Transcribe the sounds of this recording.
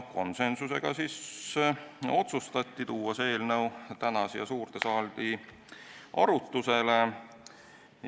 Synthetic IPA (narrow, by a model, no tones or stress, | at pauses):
ko̞̰nse̞nsuse̞̰ɡ̥ɑ̰sis | o̞t̪sust̪ɑt̪ʲːit̪uːɑse̞ːlnɤwt̪ænɑsejɑsuːrt̪e̞sɑːld̪̥i | ʔɑ̰ɾut̪ːˑuse̞le̞